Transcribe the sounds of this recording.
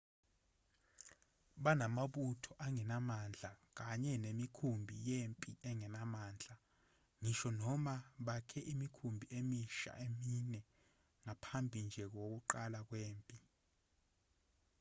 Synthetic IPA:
ɓanamaɓutʰɔʔaŋɛnamand͡ɮʱak̬aɲɛnemikʰumbʱḭjempʼiɛŋɛnamaːnd͡ɮʱa | ŋiʃɔnɔmaɓakʰɛʔimikʰumbʱiemiʃa̰ʔeminɛ | ŋapʰambʱind͡ʒʱɛk̬ok̬uǃalak̬weːmpʼi

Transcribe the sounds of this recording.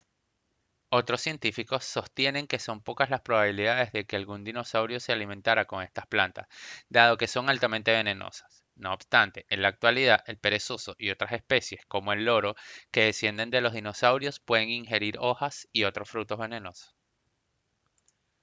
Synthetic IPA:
o̞t̪ɾosːje̞nt̪ifiko̞sːo̞st̪je̞ne̞ŋke̞so̞mpo̞kazlaspɾo̞βaβiliðaðe̞zðe̞ke̞alɣund̪ino̞sawɾjo̞se̞alimẽ̞nt̪aɾako̞ŋe̞st̪ḁsplant̪a̰sd̪aðo̞ke̞so̞ŋalt̪ament̪e̞β̞e̞ne̞no̞̰sḁs | no̞ːbst̪ant̪e̞ʔenlaːk̚t̪waliðaʔelpe̞ɾe̞so̞so̞ʔio̞t̪ɾasespe̞sje̞sko̞moe̞lːo̞ɾo̞ke̞ðe̞sje̞nd̪e̞nd̪e̞lo̞zðino̞sawɾjo̞spwe̞ðe̞ŋiŋxe̞ɾiɾo̞xasio̞t̪ɾo̞sfɾut̪o̞zβe̞ne̞no̞so̥s

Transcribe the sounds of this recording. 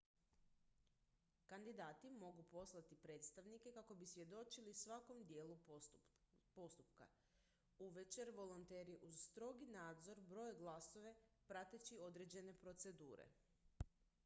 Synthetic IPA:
kand̪id̪aːt̪imo̞ɡupo̞slˠat̪ipɾe̞ːt̪st̪aʋnike̞kako̞bisʋje̞d̪o̞t͡ʃilisʋako̞md̪je̞ːlu | po̞st̪upka̰ | uʋe̞t͡ɕe̞ɾʋo̞lˠont̪e̞ːɾiʔuzst̪ɾo̞ɡinaːd̪zo̞ɾbɾo̞jɡlˠaso̞ʋe̞pɾat̪e̞t͡ɕio̞d̪ɾe̞d͡ʑe̞ne̞pɾo̞t̪se̞d̪ṵːɾḛ

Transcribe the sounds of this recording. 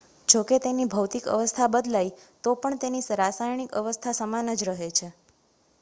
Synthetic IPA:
d͡ʒoket̪enibʱəwt̪ikə̰ʋəst̪ʰabəd̪lajt̪opəɳt̪enisɾasajɳikə̰ʋəst̪ʰasəmanəd͡ʒɾəɦet͡ʃʰe

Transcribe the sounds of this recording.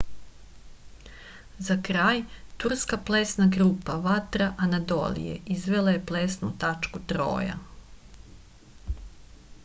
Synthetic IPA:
zakɾaːjt̪uɾskapleːsnaɡɾuːpaʋat̪ɾaʔanad̪o̰lḭjḛʔizʋe̞laje̞pleːsnut̪at͡ʃkut̪ɾo̞̰ːja̰

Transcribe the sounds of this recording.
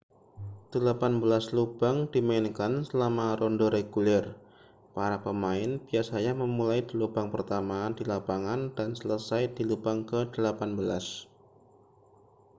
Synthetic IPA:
d̥əlapanbəlaslub̥aŋdimaɪnkansəlamaɾɔndoɾeɡulɛr | paɾapəmaɪnbiasaɲaməmulajdilubaŋpərt̪amadilapaŋandansələsajdilupaŋkədəlapanbəla̰s

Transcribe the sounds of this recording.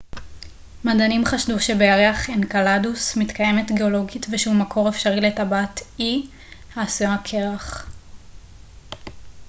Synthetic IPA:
madanimχaʃduʃe̞bejaʁeaχenkaladusmitkaje̞metɡeo̞lo̞ɡitveʃumakʰo̞ʁefʃaʁiletabati | haːsujaakʰe̞ʁaχ

